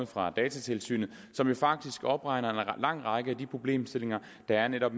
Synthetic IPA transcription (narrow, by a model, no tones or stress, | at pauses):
ð̩ˠfʁɑ̈d̥ɛːt͡sʰæt͡sʰe̝lsy̰ːnð̩ˠ | sɒ̽mjo̝fɑ̈ɡ̥̚d̥isɡ̥ɒ̽b̥ʁɑ̈ɪnɐenlɑ̈ŋ̰ʁɑ̈ɪɡ̥əæd̥ipʰʁo̝b̥le̝̰ːmsd̥e̝le̝ŋɐ | d̥ɑ̈æɐneɾɒ̽b̥